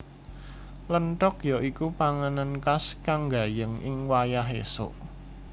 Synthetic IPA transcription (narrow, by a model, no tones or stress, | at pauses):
lənʈɔkjɔʔikupaŋanankaskaŋɡa̤jəŋɪ̰ŋwajaɦḛso̰ʔ